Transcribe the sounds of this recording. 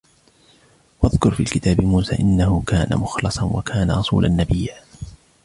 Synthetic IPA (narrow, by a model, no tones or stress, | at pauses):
wʔɑðkʊɾˤfiːlkɪt̪aːbɪmuːsa̰ːʔɪnːahʊkaːna̰mʊxlɨsˤɑnwa̰kʰaːnaɾˤɑsˤṵːlʔanːabɪjːaː